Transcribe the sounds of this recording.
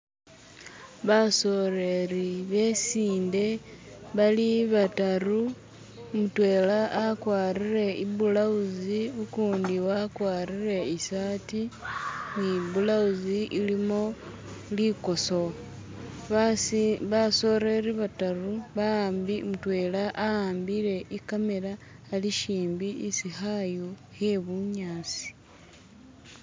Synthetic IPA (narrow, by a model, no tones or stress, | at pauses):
βasoreɾiβe̞siːnde̞βaliβataru | mutwe̞laʔakwaːɾire̞iβulauziukuːndiwakwaːrire̞isatimiβulauziʔilimo | liko̞so̞ | βaβaso̞ɾe̞ɾiβataruβaaːmbimutwe̞ːlaʔaaːmbiɾe̞ʔikame̞ɾaː | liʃiːmbiːsixajuhe̞βuɲaːt͡si̥